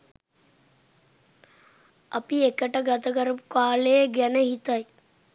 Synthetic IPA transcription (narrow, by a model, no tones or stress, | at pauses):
ɐ̰piekəʈəɡat̪əkəɾəpukaːlejəɡɛnəɦit̪ɐj